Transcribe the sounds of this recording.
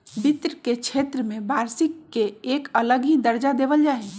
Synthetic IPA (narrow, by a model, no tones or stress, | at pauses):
bit̪ɾəket͡ʃʰeːt̪ɾəmẽbaːɾsɪkːeeːkələɡɦid̪əɾd͡ʒad̪eːʋəld͡ʒaːe